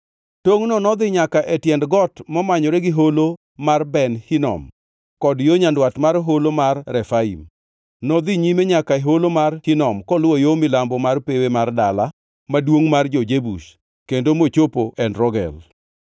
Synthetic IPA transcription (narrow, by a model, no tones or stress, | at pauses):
toŋnɔnɔd̪ɪɲakaʔɛtjɛndɡɔtmɔmaɲɔɾɛɡɪɦolo | marbɛnhinɔ̰m | kɔdjoɲandwatmaɾɦolomarːɛfaḭm | nɔd̪ɪɲimeɲakaeɦolomarhinɔmkɔlwɔjomɪlambɔmarpewemardala | madwoŋmard͡ʒod͡ʒebuʃ | kendomot͡ʃopoʔɛnɾɔɡɛ̰l